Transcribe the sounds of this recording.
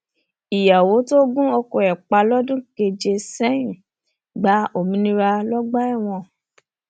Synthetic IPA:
i˨ja˨wo˨˦to˦ɡũ˦o˧ko˧˨ɛ˨k͡pa˧lɔ˦dũ˦ke˧d͡ʒe˧sɛ˦jĩ˨ | ɡ͡ba˨˦o˦˨mĩ˧nĩ˧ɾa˧lɔ˦ɡ͡ba˦ɛ˦˨w̃ɔ̃˧

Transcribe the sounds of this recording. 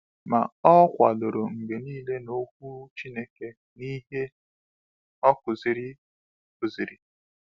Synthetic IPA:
ma̰˨ɔ˦kʷa˨lʊ˨ɾo˨ŋ̩˨ɡe˨niː˦le˦no˦kʷu˦t͡ʃi˦ne˦ke˨ | ni˦ɦe˦ | ɔ˦kʊ˨zi˨ɾi˦ | kʊ˨zi˨ɾi˨

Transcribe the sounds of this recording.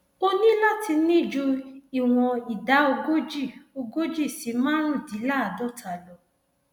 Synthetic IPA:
o˧nĩ˦la˦tʰi˧nĩ˦˨d͡ʒu˧i˨w̃ɔ̃˧i˨da˨˦o˧ɡo˦d͡ʒi˦˨o˧ɡo˦d͡ʒi˦˨si˨˧˦mãː˦ɾ̃ũ˦˨di˨˦la˦a˨dɔ˦˨tʰa˨lɔ˨˦

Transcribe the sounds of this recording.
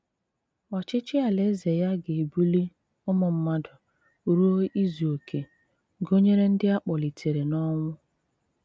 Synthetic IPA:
a˨t͡ʃɪ˦t͡ʃɪ˦a˨le˦ze˨ja˦ɡe˨e˨bu˦li˦ | ʊ˦mʊ˨m̩˦ma˦dʊ˨ | ɾu˦o˦i˦zi˨o˨kʰe˨ | ɡo˦ɲe˦ɾe˦n̩˦dɪ˦a˦k͡pɔ˨li˨tʰe˨ɾe˨nɔ˦ŋʷʊ˦

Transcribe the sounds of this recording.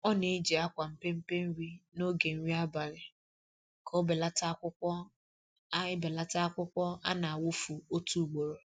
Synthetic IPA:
ɔ˦ne˦d͡ʒi˨a˦kʷa˨m̩˨pe˦m̩˦pe˦n̩˦ɾi˦no˦ɡe˨n̩˦ɾi˦a˦ba˨ɾɪ˨ | kʰo˦be˨la˦ta˦kʷʊ˦kʷɔ˦ | ɪ˦be˨la˦ta˦a˦kʷʊ˦kʷɔ˦a̰˦na˨a˨wʊ˦fu˨o˦tu˦˨ɡ͡bo˨ɾo˨

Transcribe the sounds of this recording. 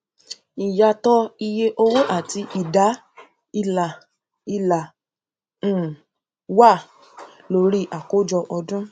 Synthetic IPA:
i˨ja˧˨tɔ˦i˧je˧ʔo˧wo˦ʔa˦˨ti˧ʔi˦˨da˨˦ | i˧la˨ | i˧lã˨˦˨ | wa˦˨ | lo˧˦ɾi˦ʔa˨ko˦d͡ʒɔ˧ʔɔ˧dũ˦

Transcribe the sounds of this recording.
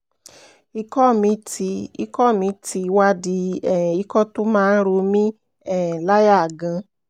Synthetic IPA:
i˧kɔ˦˨mĩ˧˦ti˧ḭ˦kɔ˦˨mĩ˧˦ti˨˧˦wa˦di˧˦ɛ˦˨i˦kɔ˦to˦mãː˦˧n̩˦ɾo˧mĩ˦ | ɛ˦˨la˦ja˦˨ɡã˧

